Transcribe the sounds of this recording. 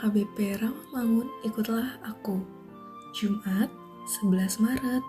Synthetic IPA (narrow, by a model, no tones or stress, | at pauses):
kabɛpɛɾaŋlaŋʊnikut̪lahaku | d͡ʒumʔat̪̚ | səbəlasmaɾət̪̚